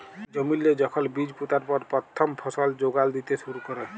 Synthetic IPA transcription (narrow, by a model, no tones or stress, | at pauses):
d͡ʒəmilːed͡ʒəkʰəlbid͡ʒput̪aɾpəɾpɾət̪ʰːəmpʰəsəld͡ʒoɡald̪it̪esuɾukəɾɛ